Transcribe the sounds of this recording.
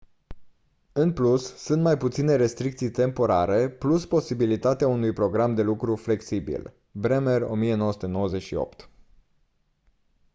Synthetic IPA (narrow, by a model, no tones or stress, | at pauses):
ɨnplusːunt̪majput̪sine̞ɾe̞st̪ɾikt̪sijt̪e̞mpo̞ɾaɾe̞pluspo̞sibilit̪at̪eaunujpɾo̞ɡɾamd̪e̞lukɾufle̞ksibḭl | bɾemero̞̰mije̞nowəsut̪e̞no̞wəze̞t͡ʃʃio̰pt̪